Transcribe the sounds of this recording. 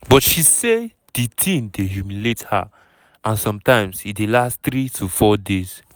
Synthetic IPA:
bɔtʃise | d̥itʰĩndeɦjumiletha̰ | ʔãnsɔ̃mtãɪ̃msidelastt̪ɾitʰufɔdez

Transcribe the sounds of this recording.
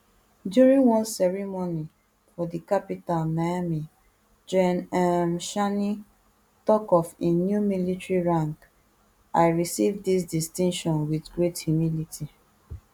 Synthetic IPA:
djuɹĩŋwɔ̃nsɛɹimoni | fɔdikapitalnajami | d͡ʒɛnãmʃani | tɔkɔfenjumilitɹiɹãŋk | aɪɹisivdis̬distĩŋʃɔ̃nwiθɡɹetjumilitʰi

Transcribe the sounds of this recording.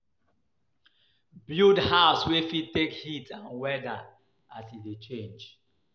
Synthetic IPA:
budhaʊswefitekhitʰãnwɛda | asilet͡ʃẽnd͡ʒ

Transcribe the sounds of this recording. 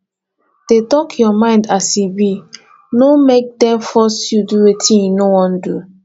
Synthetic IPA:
d̥etɔkʰjɔmãɪ̃ndasibi | nomek̚dɛ̃mfɔstjuduetʰĩnjunowɔ̃ndu

